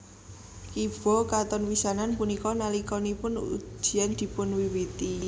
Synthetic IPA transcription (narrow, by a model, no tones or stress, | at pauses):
kib̥ɔ̤kat̪ɔnwisananpunikɔnalikɔnipʊnṵ̥ʒ̥i̤and̪̥i̤pʊnwiwit̪i